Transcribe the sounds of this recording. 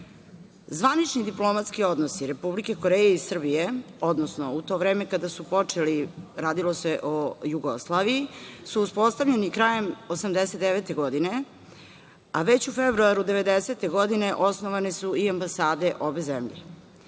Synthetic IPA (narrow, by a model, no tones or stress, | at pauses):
zʋanit͡ʃnid̪iplo̞mat̪skio̞d̪nosiɾe̞publike̞koɾejeisr̩bije̞o̞d̪nosnout̪o̞ʋɾeːmekad̪asupo̞t͡ʂeliɾaːd̪ilo̞se̞ʔojuɡo̰slˠaʋiisuːspo̞st̪avʎe̞nikɾaje̞mosamd̪eset̪d̪eʋet̪e̞ɡo̞d̪ine̞ | aʋe̞t͡ɕufebɾuaɾud̪e̞ʋe̞d̪ese̞t̪e̞ɡo̞d̪ine̞ʔo̞snoʋanesuiambasaːd̪e̞ʔo̞be̞zemʎḛ